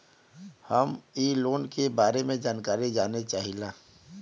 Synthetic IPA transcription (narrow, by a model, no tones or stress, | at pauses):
həmiːloːnkebaːɾemẽd͡ʒaːnkaːɾid͡ʒaːnet͡ʃaːɦilaː